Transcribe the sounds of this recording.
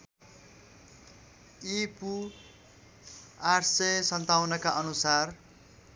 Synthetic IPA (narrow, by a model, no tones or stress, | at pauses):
ipu | arsesʌnt̪awnʌkaʔʌnusar